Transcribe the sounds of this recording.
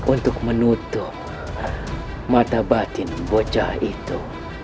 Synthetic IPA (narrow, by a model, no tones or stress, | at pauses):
ʔunt̪ukmanut̪ːo | mat̪abat̪inbod͡ʒait̪ːo